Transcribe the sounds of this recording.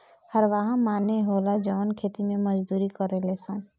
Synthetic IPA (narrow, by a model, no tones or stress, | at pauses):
həɾʋaɦãmaːneɦoːlad͡ʒɔːnkʰeːt̪imẽmɐd͡ʒd̪uːɾikɔɾelesən